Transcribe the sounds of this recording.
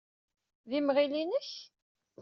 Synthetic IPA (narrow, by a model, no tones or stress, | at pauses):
ðimʁilinəç